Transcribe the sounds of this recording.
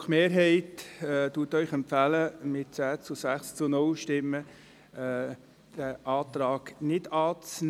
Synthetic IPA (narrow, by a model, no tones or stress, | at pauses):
χmeːɾɦɛɪtːtuːətœʏχɛmfæləmɪt̚t͡sæːt͡sʊsæχst͡sʊnʊlʃtɪmːə | d̥æʔɑːt̪ɾɑːɡ̥nɪdɑːt͡sn